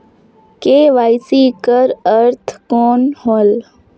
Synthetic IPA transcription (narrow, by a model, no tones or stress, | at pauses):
keːʋaːjsiːkəɾəɾt̪ʰkoːnhoːl